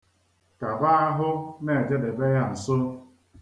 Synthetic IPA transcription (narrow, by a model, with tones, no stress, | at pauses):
ka˨ba˦a˦ɦʊ˦ne˦˨e˨d͡ʒe˦de˨be˦ja˦n̩˨sʊ˦